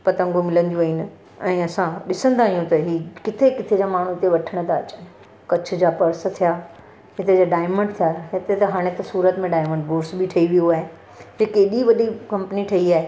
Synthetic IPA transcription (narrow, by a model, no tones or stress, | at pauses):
pɐt̪ə̃ŋɡomɪlə̃nd̪jũʋinɪ̆ | ɛ̃ːɐsãɗɪsə̃nd̪aːɦijũt̪ɐɦiːkɪt̪ʰekɪt̪ʰed͡ʑamaːɳ̤ut̪eʋɐʈʰəɽ̃d̪aɐt͡ɕa | kɐt͡ɕʰʊ̆d͡ʑaːpɐɾs̆t̪ʰijaː | ɦɪt̪ed͡ʑaɖaːɪmə̃ɳɖ̚t̪ʰijaɦet̪et̪ɐɦaːɽ̃et̪ɐsuːɾət̪mẽɖaːɪmə̃ɳɖboːɾɖsbɪʈʰɐiʋijuaːɦe | d͡ʑekeːɗiʋɐɗikɐ̃mpəniʈʰɐiaːɦe